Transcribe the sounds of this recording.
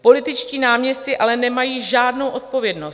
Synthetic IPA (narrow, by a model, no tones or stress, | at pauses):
po̞lɪt̪ɪt͡ʃciːnaːmɲɛstɪʔalɛnɛmajiːʒaːdno̞wʔo̞t̪̚po̞vjɛdno̞s